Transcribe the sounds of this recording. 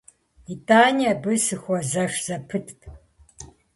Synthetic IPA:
itʼaːniabɨsɨxʷɔzɐʂz̥ɐpʰɨtʰpʰ

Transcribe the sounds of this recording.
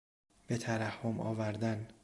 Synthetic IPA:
b̥e̞t̪ʰæɾæhːomɒ̰ːvæɾd̪æn

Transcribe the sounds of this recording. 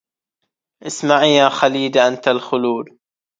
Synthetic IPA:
ʔɪsmaʕjaːxaliːd̪aʔant̪alxʊluːd̪

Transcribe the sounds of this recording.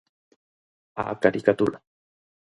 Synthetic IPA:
a̰kaɾikat̪uɾa

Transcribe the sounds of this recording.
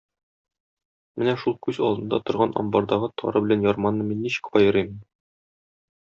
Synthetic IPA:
mɘnæʃulˠkʉzɒlˠd̪ɤ̆nd̪ɑ̰t̪ŏɾʁɑnʔɒ̰mbɑɾd̪ɑʁɤt̪ʰɒ̰ɾɤbɘ̆lænjɒɾmɑnːɤminːiɕɘ̥̆kqɒjɤ̆ɾimn

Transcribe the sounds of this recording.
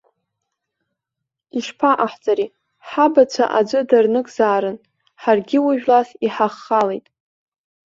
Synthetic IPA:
iʂpʰaʔaħt͡sʼaɾi | ħabat͡ɕʷʰa̰ʔa̰d͡ʒʷɨdarnɨkʼzaːɾɨn | ħarɡʲɪwʊʒᶣlasiħaχːalejtʼ

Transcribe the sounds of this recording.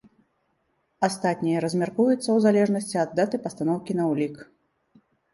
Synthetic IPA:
ast̪at̪̚ʲnʲijɐɾɐzʲmʲarkujut̪sːɐwzalʲɛʐnɐsʲt͡sʲiɐd̪ːat̪ɨpɐst̪anɔwkʲinɐwlʲik

